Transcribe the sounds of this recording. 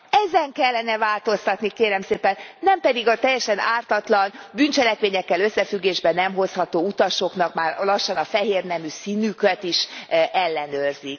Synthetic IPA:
ɛzɛŋkɛlːɛnɛvaːlt̪o̞st̪ɒt̪nikeːɾɛmseːpɛnːɛmpɛd̪iɡɒt̪ɛjːɛʃɛnaːrt̪ɒt̪lɒnbynt͡ʃɛlɛkʋeːɲɛkːɛlø̞sːɛfyɡːeːʒbɛnɛmɦo̞shɒt̪oːut̪ɒʃo̞kn̪ɒkmaːrlɒʃːɒnɒfɛɦeːrnɛmysinykøt̪iʃɛlːɛnørzik

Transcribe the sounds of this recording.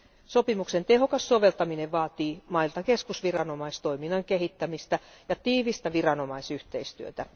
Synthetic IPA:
sopimuksent̪eɦokɑsːo̞ʋelt̪ɑmineʋʋɑːt̪iːmɑilt̪ɑkeskusʋirɑnomɑist̪oiminːɑŋkeɦit̪ːæmist̪æjɑt̪iːʋist̪æʋirɑno̞mɑisyht̪eist̪yøt̪æ

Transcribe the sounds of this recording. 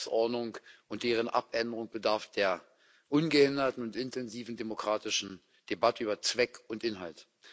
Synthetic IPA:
sʔɔɐdnʊŋkʔʊnt̚d̥eːʁ̞ənʔa̰pʔɛndəʁʊŋb̥ədaɐfd̥eːɐ | ʔʊnɡəhɪndɐtn̩ʊntɪntʰɛnziːvn̩demokʁ̥aːtɪʃn̩ | d̥ebatəyːbɐt͡sv̥ɛkʊntʔɪnɦalt

